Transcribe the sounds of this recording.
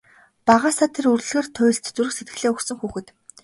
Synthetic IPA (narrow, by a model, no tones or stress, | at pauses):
paʁaːsaːt̪ʰerurɮɣeːrt̪ʰʊ̟j̆ʲɬt͡ɕ̪t͡suɾɘ̆xset̪ɡɘ̆ɮeːɵksɵ̆ŋxuːxɘ̆t̪